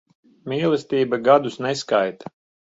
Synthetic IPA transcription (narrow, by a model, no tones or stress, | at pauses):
mʲiːlˠɛst̪ʲiːbaɡad̪usnɛskajt̪ḁ